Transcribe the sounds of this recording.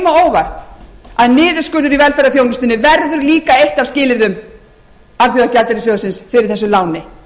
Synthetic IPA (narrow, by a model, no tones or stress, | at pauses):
maoːwvajr̥t̪aðnɪːðʏ̥skʏɾðʏɾivɛlfɛɾaθjownʏst̪ɪnːɪvɛɾðʏɾliːkaejht̪av̥scɪːlɪɾðʏm | aɾθɛɣacalt̪ɛɾɪs̬œɣðʏsɪnsfɪɾɪɾ̥θɛsːʏlaːwnɪ